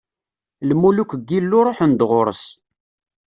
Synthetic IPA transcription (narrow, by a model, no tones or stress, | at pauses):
lmulukəɡːilːʊɾˤoħənd̪ʁʊɾˤə̰s